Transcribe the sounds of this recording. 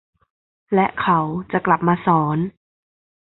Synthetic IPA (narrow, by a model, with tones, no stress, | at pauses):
lɛ˦˥ʔkʰa˨˦wt͡ɕa˨˩ʔkla˨˩p̚maː˧sɔː˩˦n